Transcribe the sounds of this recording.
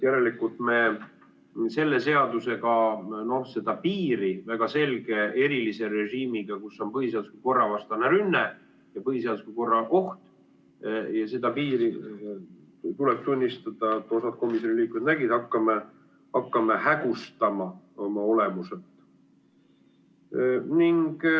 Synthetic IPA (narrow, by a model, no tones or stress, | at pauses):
jæɾelikult̪me̞ | se̞lːe̞se̞ɑd̪use̞ɡɑno̞hse̞d̪̥ɑpiːɾivæɡ̥ɑse̞lɡ̥e̞e̞ɾilise̞ɾe̞ʒiːmiɡ̥ɑkusːo̞npɤɦiseɑd̪u̥skuko̞rːɑvɑst̪ɑneɾynːe | jɑpɤɦiseɑd̪uskuko̞rːɑʔo̞ht̪ | jɑse̞d̪̥ɑpiːɾi | t̪uleb̥̚t̪unʲːist̪ɑd̪̥ɑet̪ːˑo̞sɑd̪̥̚ko̞misjonʲiliːkˑuet̪næɡid̪̥ɑkːɑme | ɑkːɑmehæɡ̥ust̪ɑmɑomɑo̞le̞muset̪ːˑ | niŋɡ̥